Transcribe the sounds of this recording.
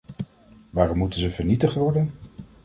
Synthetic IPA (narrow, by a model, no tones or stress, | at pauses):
ʋaːrɔmːutənzəvəɹnitəχtʋɔɹdən